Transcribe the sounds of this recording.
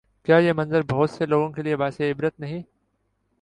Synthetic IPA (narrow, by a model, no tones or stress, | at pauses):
kjaːjemɐ̃nzəɾbʱɐɦːt̪seloːɡõkeliebaːseɪbɾət̪nɐɦĩː